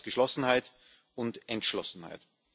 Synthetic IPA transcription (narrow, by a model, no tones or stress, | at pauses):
ɡ̥əʃlɔsn̩haɪt | ʔʊntʔɛntʃlɔ̰sn̩ha̰ɪt